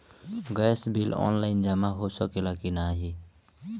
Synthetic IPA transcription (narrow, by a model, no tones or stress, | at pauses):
ɡɛsbʱilɔ̰ːnlaɪnd͡ʒamaɦosɔkelakinaɦi